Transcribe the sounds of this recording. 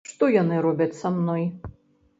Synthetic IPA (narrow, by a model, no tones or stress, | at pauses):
ʂt̪ɔjɔnɨɾɔbʲɐt͡sʲsamnɔj